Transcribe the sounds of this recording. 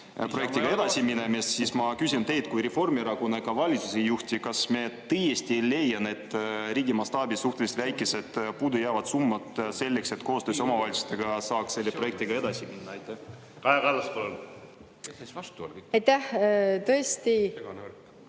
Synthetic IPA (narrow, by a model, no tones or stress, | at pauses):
pro̞jek̚t̪iɡɑe̞d̪̥ɑsʲiminemest̪sismɑkysʲint̪e̞jt̪̚kujɾefo̞rmeɾɑkunekɑvɑlʲit̪susejuht̪ʲikɑsmet̪ɤjesʲt̪ile̞jːɑne̞t̪ˑːɾiːɡʲimɑst̪ɑːbisuht̪e̞lʲist̪væjkːˑese̞d̪̥puːd̪ujæːvɑt̪sumːɑt̪se̞lʲːekse̞t̪ko̞ːst̪øːsʲo̞mɑvɑlʲt̪su̥st̪eɡ̥ɑsɑːksse̞lʲːeproje̞k̚t̪iɡ̥ɑe̞d̪ɑsiminːɑɑjt̪ːˑæh | kɑjɑkɑlːɑspɑlon | ɑjt̪ːæht̪ɤest̪i